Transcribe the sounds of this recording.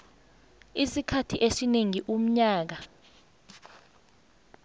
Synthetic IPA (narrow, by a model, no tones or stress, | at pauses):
isikʰatʰiʔesineŋiʔum̩ɲaːk̬a